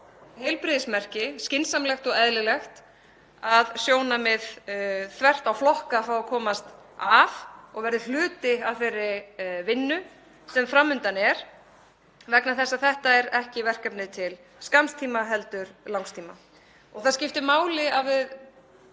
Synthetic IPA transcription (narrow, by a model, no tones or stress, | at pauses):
hɛlpɾɪðɪsmɛr̥cɪscɪnsamlɛxt̪ɔɣɛðlɪlɛxt̪ | aðsjoːwnamɪðθvɛr̥t̪awflɔhkafɾawakʰɔːmast̪avɔɣvɛɾðɪl̥ʏːt̪ɪavfeːjɾːɪvɪnːʏ | sɛmfɾamːʏnt̪anɛɾ̥ | vɛknaθɛsːaθɛht̪aɛɾɛhcɪvɛr̥kɛpnɪt̪ʰɪl | skamst̪ʰiːmaɦɛlt̪ʏɾ̥lawŋst̪ʰiːma | ɔɣθaðscɪft̪ɪmaːwlɪavɪð